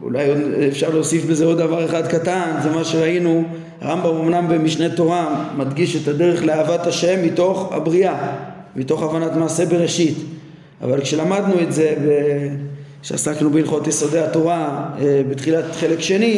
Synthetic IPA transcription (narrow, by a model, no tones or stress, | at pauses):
ṵlajodefʃaʁleosifbe̞zeo̞d̪davaʁeχad̪katanzemaʃe̞ʁainu | a̰ʁambamo̞mnambe̞miʃnet̪o̞ʁamadɡiʃet̪ade̞ʁeχleaːvat̪aʃe̞mːito̞χa̰bʁia | mito̞χavanatmaːse̞be̞ʁe̞ʃit̪ | a̰valkʃe̞lamad̪nue̞tze̞be | ʃea̰saknubeilχo̞t̪jeso̞de̞at̪o̞ʁaebet̪χilat̪χe̞le̞kʃe̞ni